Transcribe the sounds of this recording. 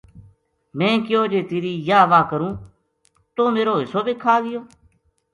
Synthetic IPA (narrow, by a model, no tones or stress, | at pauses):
mɛ̃ːkɪjoːd͡ʒeːt̪eːɾiːjaːʋaːkəɾũː | t̪oːmeːɾoːɦɪsoːbeːkʰaːɡɪjoː